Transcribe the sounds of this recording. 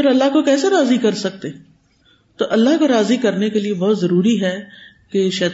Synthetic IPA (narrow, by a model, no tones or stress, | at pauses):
ɪɾɐlːaɦkokɛːseɾaːzikɐɾsɐk̚t̪eː | t̪oʔɐlːaɦkoɾaːzikɐɾnekeliebɔɦt̪zɐɾuːɾiɦɛ | keʃɛː